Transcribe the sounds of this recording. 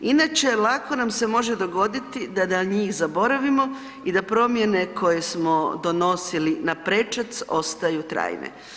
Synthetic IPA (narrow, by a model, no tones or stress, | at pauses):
inaːt͡ʃe̞lako̞namse̞mo̞ʒe̞d̪o̞ɡo̞d̪it̪id̪ad̪aɲiːxzabo̞ɾaʋimo̞ | id̪apɾo̞mje̞ne̞kʰo̞je̞smo̞d̪o̞no̞silinapɾe̞t͡ʃat̪so̞st̪ajut̪ɾa̰ːjnḛ